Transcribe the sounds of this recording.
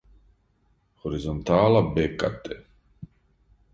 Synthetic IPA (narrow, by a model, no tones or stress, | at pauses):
hɔɾizɔnt̪ʰaːlabɛkʼːa̰t̪ʼɛ